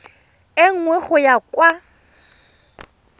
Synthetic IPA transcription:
ɪŋ̩ŋwɛχʊjakʼwa

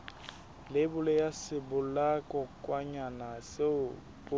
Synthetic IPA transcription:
lɪbʊlɛjasɪbʊlakʼɔkʼwaɲanaseʊ | ʊ

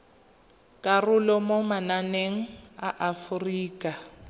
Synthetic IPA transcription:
kʼarʊlɔmomananeŋ̩a̰ʔafriːkʼa

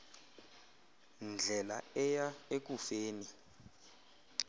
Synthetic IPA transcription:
nd͡ɮʱɛla̰ɛjaek̬ufeːni

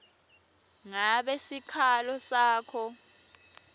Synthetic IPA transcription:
ŋaɓesikʰalɔsaːkʰɔ

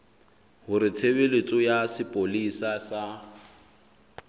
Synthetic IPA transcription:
hʊɾɪt͡sʰeβelet͡sʼʊjasɪpʼolisasa

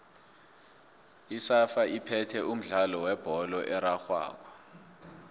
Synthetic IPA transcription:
isafaʔipʰɛtʰɛʔum̩ɮalɔwɛb̥ʱɔlɔʔɛɾaxwa̰ːk̬ɔ̥

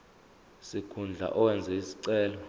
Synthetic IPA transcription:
sikʰund͡ɮʱa̰ʔɔwɛnd͡zʱɛisi̥ǀɛːlɔ

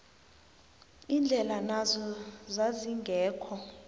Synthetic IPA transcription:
ind͡ɮʱɛlanazɔzaziŋɡʱɛːkʰɔ

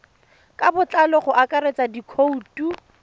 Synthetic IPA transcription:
kʼabʊt͡ɬʼalɔχʊʔakʼaɾet͡sadikʰoutʼu

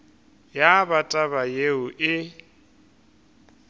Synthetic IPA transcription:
jabatʼaβajeʊʔɪ

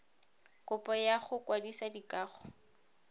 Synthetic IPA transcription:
kʊpʼɔjaχʊkwadisadikʼaːχɔ

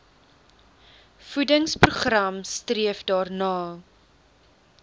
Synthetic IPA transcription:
fudəŋspruχrɐmstriəfdɑːrnɑː

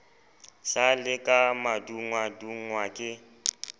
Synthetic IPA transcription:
salɪkʼamaduŋ̩waduŋ̩wakʼɪ

